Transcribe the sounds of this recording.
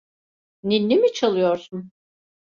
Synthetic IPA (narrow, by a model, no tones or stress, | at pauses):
ninːimit͡ʃʰalˠɯjoɾsun